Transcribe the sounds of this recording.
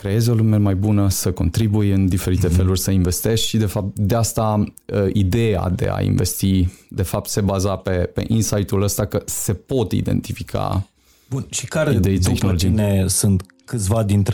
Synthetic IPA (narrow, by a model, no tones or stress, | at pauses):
kɾe̞je̞zo̞lume̞majbunəsəko̞nt̪ɾibujɨnd̪ife̞ɾit̪e̞fe̞lurʲsəinve̞st̪e̞ʃʃid̪e̞fap̚t̪d̪east̪aəid̪e̞a̰d̪e̞̰a̰ḭnve̞̰st̪id̪e̞fap̚t̪se̞bazape̞pe̞̰ʔinsajt̪uləst̪akəse̞po̞t̪ḭd̪e̞̰nt̪ifikʰa̰ | bunʃikaɾed̪e̞it̪exnoloinesunt̪ | kɨt̪sʲvad̪int̪ɾ